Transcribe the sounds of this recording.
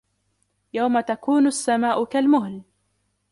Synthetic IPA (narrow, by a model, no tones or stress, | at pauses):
jawmat̪akuːnʊasːamaːʔʊkalmʊɦl